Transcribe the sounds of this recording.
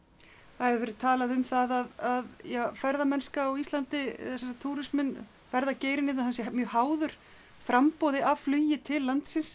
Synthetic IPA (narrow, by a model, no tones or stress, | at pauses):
θaɛvɪɾvɛːɾɪðt̪ʰaːlaðʏmθaðaðaðjɛfɛɾðamɛnskaːwist̪lant̪ɪθɛs̬asat̪ʰuːɾɪsmɪn | fɛɾðaceːjɾɪnɪahansjɛmjœːhaːwðʏɾ̥ | fɾampowðɪavflʏjɪt̪ʰɪlːant̪sɪns